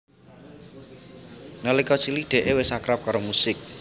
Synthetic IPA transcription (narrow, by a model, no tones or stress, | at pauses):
nɔlikɔt͡ʃiliɖ̪̥e̤ʔewɪsakɾɔp̚kɔɾɔmusɪk̚